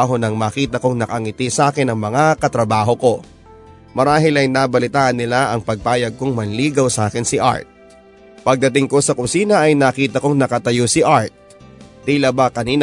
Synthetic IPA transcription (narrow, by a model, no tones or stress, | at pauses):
ɦo̞nɐŋmɐːkiːt̪ɐko̞ŋnɐkɐŋɪt̪isʔaːkɪnɐŋmɐŋakɐt̪ɾɐbaːɦo̞ko̞ | mɐɾaːɦɪlɐjnaːbɐlɪt̪aːʔɐnːɪlaʔɐŋpɐɡ̚t̪aːjɐɡ̚koŋmɐnliːɡɐwsaːkɪnsɪʔa̰ɹt̪̚ | pɐɡ̚d̪ɐt̪ɪŋko̞sɐkʊsiːnɐʔɐjnakiːt̪ɐko̞ŋnɐkɐt̪ɐjosɪʔaɹt̪̚ | t̪ilɐbakɐniːn